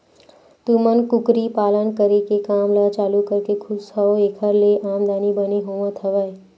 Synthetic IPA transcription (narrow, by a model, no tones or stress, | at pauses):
t̪umənkʊkɾipaːlənkəɾekekaːmlət͡ʃaːlukəɾkekʰʊsɔeːkʰəɾleʔaːmd̪aːnibəneɦoːʋãt̪ʰəʋə